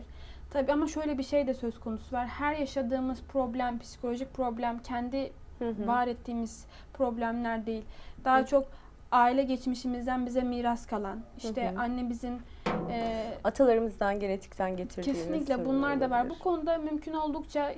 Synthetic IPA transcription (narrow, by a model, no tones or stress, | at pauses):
t̪ʰabiːamaʃø̞jlʲɛbiʃe̞jd̪ɛsøzkʰo̞nusuvaɾhæɾjaʃad̪ɯːmɯz̥pʰɾo̞blʲæmpʰi̥si̥kʰolʲo̞ʒic̚pʰɾo̞blʲæmcʰɛnd̪i | vaːɾɛt̪ʰːiːmiz̥ | pʰɾo̞blʲæmlʲæɾd̪e̞jilʲd̪̥aːt͡ʃʰo̞k | aːilʲɛɟet͡ʃmiʃimizd̪ænbizɛmiːɾaskʰalˠaniʃʰɛʔanːebizinɛat̪ʰalˠaɾɯmɯzd̪anɟe̞ɾet̪ʰi̥ct̪ʰænɟet̪ʰiɾcʰe̞siinlʲic̬ʲlʲɛbunlˠaɾd̪avaɾbukʰo̞nud̪amymcʰyno̞lˠd̪ukt͡ʃʰa